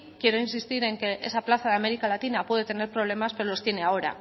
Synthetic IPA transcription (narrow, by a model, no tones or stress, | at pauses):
kje̞ɾo̞insist̪iɾe̞ŋke̞ʔe̞̰saplaθaðeame̞ɾikalat̪inapwe̞ð̞et̪ene̞ɾpɾoβ̞le̞maspe̞ɾolo̞st̪je̞ne̞ao̞ɾa̰